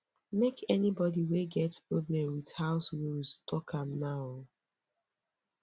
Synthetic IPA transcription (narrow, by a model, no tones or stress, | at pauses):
mekʰɛnibɔdiweɡɛtpɹoblɛ̃mwið̥haʊswilstʰɔkʰãmnaʊ